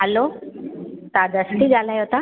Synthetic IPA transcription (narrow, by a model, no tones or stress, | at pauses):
ɦəlo | t̪ad̪əsʈiːd͡zʱaləjɦot̪a